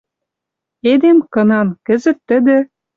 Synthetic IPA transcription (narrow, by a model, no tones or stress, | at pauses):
ed̪emkɤ̆nɑnkə̆zə̆t̪ːə̆d̪ɘ̆